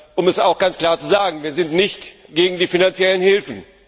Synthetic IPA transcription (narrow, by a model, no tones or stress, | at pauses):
ʔʊmɛsaʊxɡ̥ant͡skl̥aːɐt͡suzaːɡŋ̩viːɐzɪntnɪçtɡ̥eːɡŋ̩diːfinant͡sjɛlənhɪlfn̩